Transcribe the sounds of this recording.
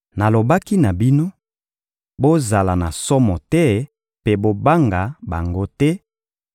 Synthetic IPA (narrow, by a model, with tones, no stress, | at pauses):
na˨lo˨ba˦ki˦na˨bi˦no˦ | bo˦za˨la˨na˨sɔ˦mɔ˨tɛ˦ | pe˦bo˦ba˦ŋɡa˨ba˨ŋɡo˦tɛ˦